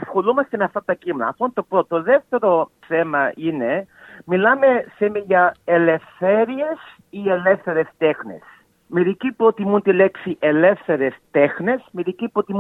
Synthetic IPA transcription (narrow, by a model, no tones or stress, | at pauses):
ɐsxolumɐst̪enɐft̪ɐt̪ɐcimenɐ̰ːft̪ont̪o̞pɾot̪oðeft̪e̞ɾo̞ | θe̞mɐine̞ | milɐme̞semiʝɐele̞fθeɾie̞s | ielefθeɾe̞st̪exne̞̰s | miɾicipɾot̪imunt̪ileksiʔele̞fθe̞ɾest̪exne̞smiðicipɾot̪imu